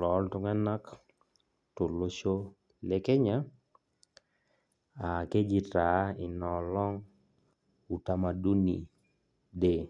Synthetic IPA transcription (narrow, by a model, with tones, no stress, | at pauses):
lɔ˨˦ltʊ˦ŋɛ˦na˦k | tʊ˨lo˦ʃo˦ | le˦ke˦ɲa˦ | a˨ke˦ɡi˨ta˨˦ɪ˨nɔ˨lɔ˦ŋ | u˨ta˦ma˨du˦ni˨ | de˦˨